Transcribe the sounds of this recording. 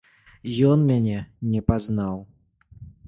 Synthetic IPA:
jɔnmʲanʲɛnʲɛpaznaw

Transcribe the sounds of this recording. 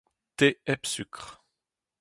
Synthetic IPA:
t̪eɛpsykχ

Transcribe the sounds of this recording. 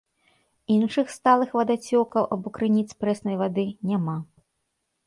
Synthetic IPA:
inʂɨxst̪alˠɨxvɐd̪at͡sʲɔkɐwʔɐbɔkɾɨnʲit̪spɾɛsnɐjvad̪ɨnʲama

